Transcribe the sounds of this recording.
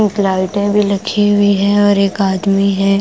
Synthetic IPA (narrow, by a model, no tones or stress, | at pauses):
klaːɪʈẽbʱilɐkʰiɦʊiɦɛ̃ɔːɾeːkaːd̪miɦɛ̃ː